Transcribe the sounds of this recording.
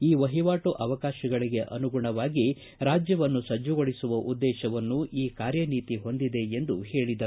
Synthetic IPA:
iːʋɐɦiʋaːʈuʔɐʋɐkaːʃɐɡɐɭiɡe̞ʔɐ̰nuɡuɳɐʋaːɡi | ɾaːd͡ʒjɐʋɐnːusɐd͡ʒːuɡoɭisuʋɐʔud̪ːɛːʃɐʋɐnːuʔiːkaːɾjɐniːt̪iɦo̞nd̪id̪e̞end̪uhe̞ːɭid̪ɐ

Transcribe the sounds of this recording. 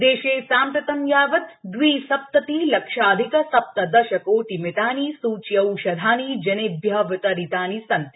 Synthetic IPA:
d̪eːʃeːsaːmt̪ɐt̪ɐmjaːʋɐt̪d̪ʋiːsɐp̚t̪ɐt̪iːlɐkʂaːd̪ʱikɐsɐp̚t̪ɐd̪ɐʃɐkoːʈimet̪aːniːsuːt͡ʃjɐwʃɐd̪ʱaːniːd͡ʒɐneːbʱjɐʋɪt̪ɐɾit̪aːnisɐnt̪

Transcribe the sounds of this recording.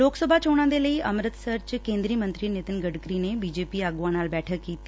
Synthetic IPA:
loːksəbʱat͡ʃoːɽ̃ãːd̪eləiʔɐmɾət̪səɾt͡ʃkẽːnd̪ɾiəmə̃nt̪ɾinet̪ənɡəɖkɾinebiːd͡ʒeːpiaːɡʊãnaːlbɛːʈʰəkːiːt̪i

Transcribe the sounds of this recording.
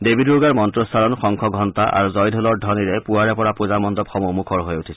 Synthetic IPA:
debiduɹɡaɹmɔntɹɔstʰalɔnxɔŋkʰɔɡʱɔntaʔa̰ɹuzɔjdʱɔlɔɹdʱɔniɹɛpuaɹɛpɔɹapuzamɔndɔpxɔmomukʰɔɹɦojutʰisɛ

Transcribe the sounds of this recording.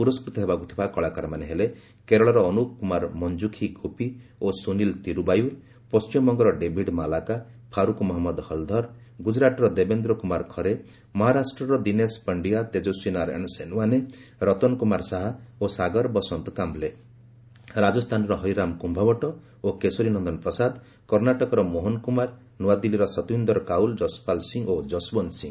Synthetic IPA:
puɾɔskɾut̪ɔɦebakut̪ʰi̥bakɔɭakɔɾamaneɦele | keɾɔɭɔɾɔːnukkːumaɾmɔnd͡ʒukʰiɡʱupiosunilt̪iɾubajuɾ | pɔst͡ʃimɔŋɡɔɾɔɖebʱiɖmalakapʰaɾukmɔɦɔmːɔd̪hɔld̪ʱɔɾ | ɡud͡ʒɾaʈɔɾɔd̪ebend̪ɾɔkumaɾkʰɔɾe | mɔɦaɾasʈɾɔɾɔd̪inespəɳɖijat̪ed͡ʒosinaɾḛɽ̃ɔsenuaneɾɔt̪ɔnkumaɾsaɦaosaɡɔɾbɔsɔnt̪ɔkamble | ɾad͡ʒɔst̪ʰanɔɾɔɦɔjɾamkumbʱabɔʈɔ | okesoɾinɔnd̪ɔnpɾɔsad̪ | kɔɾnaʈɔkɔɾɔmoɦɔnkumaɾ | nuwad̪iliɾɔsɔt̪bind̪ɔɾɔkauld͡ʒɔspalsiŋɡod͡ʒɔsbɔnsḭ̃ŋɡ

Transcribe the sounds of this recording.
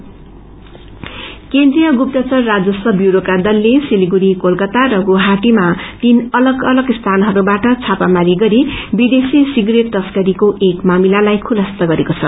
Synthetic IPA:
kend̪rijʌɡup̚t̪ʌt͡sʌrːad͡zʌsʌbjuɾokad̪ʌlːesiliɡuɾikolkʌt̪aɾʌɡuɦaʈimat̪inʌlʌɡʌlʌɡst̪ʰanɦʌɾubaʈʌt͡sʰapamaliɡʌɾibid̪esisiɡreʈ̚t̪ʌskʌɾikoʔekmamilalajkʰulʌst̪ʌɡʌɾekot͡sʰʌ

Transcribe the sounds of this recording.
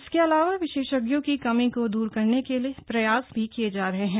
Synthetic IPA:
ɪskeɐlaːʋaʋɪʃeːʃəɡjõkikɐmĩkod̪uːɾkɐɾnekeliepɾɐjaːsbʱikied͡ʒaːɾɐɦeɦɛ̃ː

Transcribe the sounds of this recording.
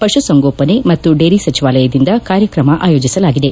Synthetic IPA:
pɐʃusɐŋɡoːpɐne̞mɐt̪ːuɖeːɾisɐt͡ʃiʋaːlɐjɐd̪ind̪ɐkaːɾjɐkɾɐmɐʔaːjo̞ːd͡ʒisɐlaːɡid̪e̞

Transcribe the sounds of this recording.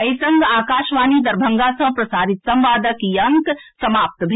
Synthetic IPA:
ɐisə̃ŋɡaːkaːʃʋaːnid̪ɐɾbʱɐŋɡasɐ̃pɾɐsaːɾit̪sɐ̃mʋaːd̪əkjɐŋksɐmaːp̚t̪bʱ

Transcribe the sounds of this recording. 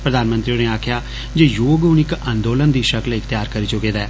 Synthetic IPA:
pɾəd̪aːnmənt̪ɾioneːaːkʰjaː | d͡ʒeːjoːɡʊnɪkãːnd̪oːlənd̪iːʃəklɪkʰt̪ɪjaːɾkəɾiːt͡ʃʊkeːd̪aɛː

